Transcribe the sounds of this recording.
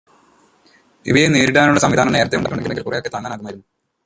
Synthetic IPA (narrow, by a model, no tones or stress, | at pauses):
ḭʋɐjeneːɾiɽaːnuɭɐsɐmʋid̪ʱaːnuɳːeeːɾɐt̪ːejuɳɖekːoɳeɡːnːeŋɡilkurejo̞kːet̪aːŋːaːnaːɣumaːjiɾunːu